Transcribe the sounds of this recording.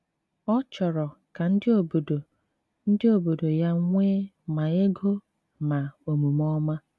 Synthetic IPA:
ɔ˦t͡ʃɔ˨ɾɔ˨ka˨n̩˦dɪ˦o˨bo˨do˨ | n̩˦dɪ˦o˨bo˨do˨ja˦ŋʷeː˦ | ma˨e˦ɡo˦ | na˨o˨mu˨mɔ˦ma˦

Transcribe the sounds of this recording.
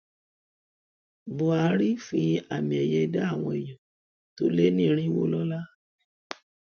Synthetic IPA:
bo˧a˧˦ɾi˦fi˧a˨mĩ˨ɛ˨jɛ˧˦da˦a˦˨w̃ɔ̃˧e˨jɔ̃˨ | to˨˦le˦nĩ˦˧˦ɾ̃ĩ˦i˦˨wo̰˧˦lɔ˦la˦

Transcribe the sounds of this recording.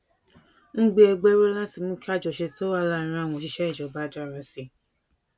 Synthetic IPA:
ŋ̩̃˦ɡ͡be˦ɛ˧ɡ͡be˦ɾe˦lã˦si˦˨mũ˦ka˦˨d͡ʒɔ˨ʃe˧to˦wa˦˨la˦˨ɾ̃ã˧a˦˨w̃ɔ̃˧ʃi˧˦ʃɛ˦i˦˨d͡ʒɔ˨ba˦da˦˨ɾa˧si˧˨

